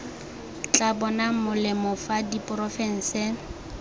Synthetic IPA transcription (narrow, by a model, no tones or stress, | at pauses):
t͡ɬʼabɔnamʊlɪmɔfadipʼrɔfɛn̩sɪ